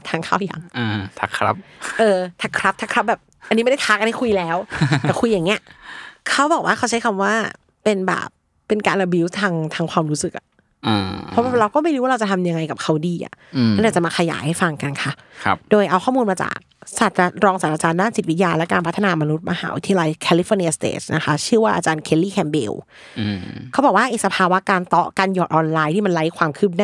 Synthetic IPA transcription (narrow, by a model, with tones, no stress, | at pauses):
t̪ʰaː˧ŋkʰaː˥˩wja̰˨˩˦ŋː˧t̪ʰa˦˧˥kʰɾa̰˦˥p̚ʔɤː˧t̪ʰa˧˥kʰɾa˦˥p̚t̪ʰa˦˥kʰɾa˦˥bɛː˨˩p̚a˧nːiː˦˥m˥˩da˥˩t̪ʰaː˦˥kʔa˧nha˥˩kʰu˧jlɛː˦˥wt̪ɛː˨˩kʰu˧jːa˨˩ŋni˦˥ɐ˨kʰa˦˥wbɔː˨˩k̚waː˥˩kʰa˦˥wt͡ɕʰa˦˥jkʰa˧mwaː˥˩ | pe˧nbɛ̰ː˨˩pː | e˧nkaː˧nʔa˧bi˧˦˥wt̪ʰaː˧ŋt̪ʰaː˧ŋkʰwaː˧mɾuː˦˥sɯ˨k̚ʔa̰˨˩ | ʔaː˧pʰɔ˦˥a˧˩ɾa˧wkɔː˥˩ma˥˩jɾu˦wa˥ɾa˧t͡ɕa˨˩t̪ʰa˧mja˧ŋːa˧jka˨˩p̚kʰa˦˥wdiː˧ʔa̰˨˩˥ʔa˨˩t͡ɕa˨˩maː˧kʰa˧ja̰ː˩˦jha˥˩jfa˧ŋka˧nkʰa˦˥˩doː˧jʔa˧wkʰɔː˥˩muː˧nmaː˧t͡ɕa̰ː˨˩k̚sa˨˩t̪̚t͡ɕa˧˩ɾɔː˧ŋsa˨˩t̪̚ʔaː˧t͡ɕaː˧ndaː˥˩nsi˨˩t̪̚wi˦˥jaː˧lɛ˦˥kaː˧npʰa˦˥t̪ʰːa˧naː˧ma˧nu˦˥t̪̚ma˧ɦa̰ː˩˦wṵ˧˦t̪ʰa˧ja˧la˧jkʰɛː˧li˦˥foː˧ni˧˥ɐ˧st̪ḛː˨˩na˦˥xʰa˦˥t͡ɕʰɯ˥˩əwaː˥˩ʔaː˧t͡ɕaː˧nkʰe˧˥liː˥˩kʰɛː˧mbḛː˧w | kʰa˦˥bɔː˨˩kwaː˥˩ʔeː˨˩sa˧pʰaː˧wa˦˥kaː˧nt̪ɔ˦˥kaː˧njɔː˨˩t̪̚ʔɔː˧nlaː˧jt̪ʰiː˥˩ma˧nla˦˥jkʰwaː˧mkʰɯː˥˩p̬̚na˥˩